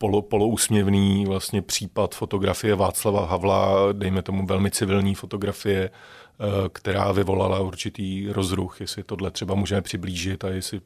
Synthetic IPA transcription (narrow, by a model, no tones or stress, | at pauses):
polopo̞lo̞uːsmɲɛvniːvlast̪ɲɛpr̝̥iːpat̪fo̞t̪o̞ɡɾafɪjɛvaːt͡slavaɦavladɛjmɛt̪o̞muvɛlmɪt͡sɪvɪlɲiːfo̞t̪o̞ɡɾafɪjɛ | kt̪ɛɾa̰ːvɪvo̞lalauɾt͡ʃɪt̪iːɾo̞zɾuxjɛsɪt̪o̞dlɛt̪r̝̥ɛbamuːʒɛmɛpr̥ɪbliːʒɪt̪ajɛsɪ